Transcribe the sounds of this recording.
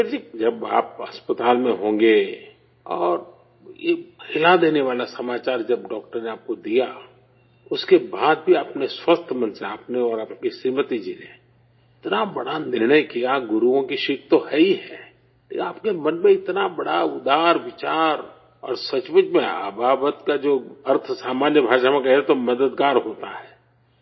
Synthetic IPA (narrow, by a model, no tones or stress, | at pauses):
d͡ʒid͡ʒɐba̰ːpɐspət̪aːlmẽɦõːŋɡe | ɔːɾ | jḛhɪlad̪eːneʋaːlasɐmaːt͡ʃaːɾd͡ʒɐb̚ɖɔːk̚ʈəɾneaːp̚kod̪ija | ʊskebaːd̪̚bʱiapneswəst̪ʰmə̃nseaːpneɔːɾaːpkisiːmət̪id͡ʒine | ɪt̪nabɐɽanɪɾnəjkijaɡʊɾuõkiʃɪkt̪ohɛiɦɛ̰̃ː | lḛkʲnaːpkemɐnmẽɪt̪nabɐɽaʊd̪aːɾʋɪt͡ʃaːɾ | ɔ̰ːɾsɐt͡ʃʋəd͡ʒmẽa̰baːbət̪kad͡ʒoːɐɾt̪ʰsaːmaːnjəbʱaːʃamẽk̬ɛɦet̪omɐd̪əd̪ɡaːɾɦoːt̪aɦɛː